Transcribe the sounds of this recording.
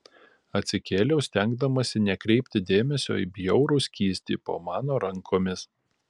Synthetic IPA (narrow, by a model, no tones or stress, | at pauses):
ɐt̪ʲsʲɪkʲeːlʲɛʊsʲt̪ʲɛŋɡ̚d̪ɐmɐsʲɪnʲɛkɾʲɛɪpʲt̪ʲɪd̪ʲeːmʲɛsʲo̰ːḭbʲjɛʊɾʊːsʲkʲiːsʲt̪ʲḭːpo̰ːmɑːnoːɾɐŋkʰoːmʲɪs